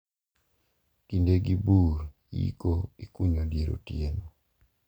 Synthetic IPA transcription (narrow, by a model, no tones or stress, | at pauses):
kindeɡibuɾ | jḭkoikuɲodjeɾo̰tjen